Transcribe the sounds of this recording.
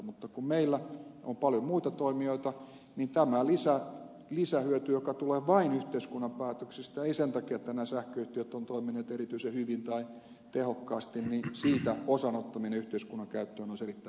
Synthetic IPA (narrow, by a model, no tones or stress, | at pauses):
mut̪ːɑkummeilːæompɑljomuit̪ɑt̪oimioit̪ɑ | nint̪æmælisæ | lisæhyøt̪yjokɑt̪uleːʋɑinyht̪eiskunːɑmpæːt̪øksist̪æeisent̪ɑkiɑt̪ːænæsæhkøyht̪iøt̪ːont̪oimineːt̪erit̪yisehyʋint̪ɑi | t̪ehokːɑːst̪innisiːt̪æosɑnot̪ːɑmineyht̪eiskunːɑkæyt̪ːøːnoiserit̪ːæ